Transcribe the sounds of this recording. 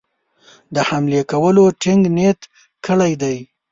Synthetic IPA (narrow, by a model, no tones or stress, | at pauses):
d̪əhamlekawəloʈɪŋɡnet̪ | kʰəɽajd̪aj